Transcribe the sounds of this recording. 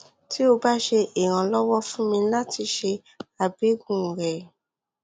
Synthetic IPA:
ti˦o˧ba˦ʃe˧ʔi˨ɾ̃ã˧lɔ˦wɔ˦fũ˦mĩ˧la˦ti˧ʃe˧ | a˨be˨˦ɡũ˦˨ɾɛ˨

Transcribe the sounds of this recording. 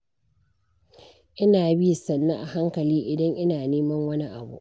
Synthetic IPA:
ʔɪ˦naː˨bi˦˨sɐ˨nːa˦ʔa˨ɦa˦ŋkɐ˨liː˦ʔɪ˨dɐ˦ŋʔɪ˦naː˨neː˦mɐ˦ŋwɐ˦ni˦ʔa˨bṵ˦ʔ

